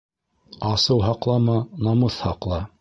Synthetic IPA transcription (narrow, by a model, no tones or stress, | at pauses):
ɑsɤwɦɑqlˠɑmɑnɑmɤθhɑqlˠɑ